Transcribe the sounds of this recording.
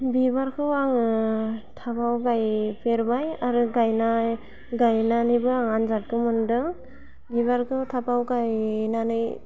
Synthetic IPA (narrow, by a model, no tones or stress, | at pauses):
bibaɾkʰɯwaŋɯtʰapʰawɡajpʰeɾbajaɾɯɡajna | ɡajnanɯjbɯaŋanzat̚kʰɯmɯndɯŋ | bibaɾkʰɯtʰapawɡajnanɯj